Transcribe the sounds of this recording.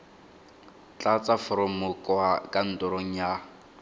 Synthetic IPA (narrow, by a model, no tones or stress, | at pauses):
t͡ɬʼat͡sʼafʊɾɔmʊkʼwakʼan̩tʼʊɾoŋ̩ja